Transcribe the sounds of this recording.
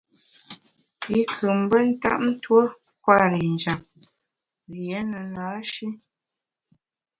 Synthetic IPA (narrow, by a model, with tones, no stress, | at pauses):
i˦kʰə˨m˦bə˦n̩˦ta̰˦˨ʔ̚n̩˦two˦ | kwa˦˨ɾi˨n˨d͡ʒa˨m̚ | lje˨˦nə˨naː˨˦ʃi˦